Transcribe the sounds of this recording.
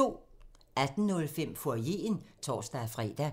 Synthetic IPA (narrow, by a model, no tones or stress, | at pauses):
o̝̰ːʔæd̥n̩nɔ̽lfem̰foɐje̝̰ːnt͡sʰɒ̰ːsd̥æfʁɛ̰ːd̥æ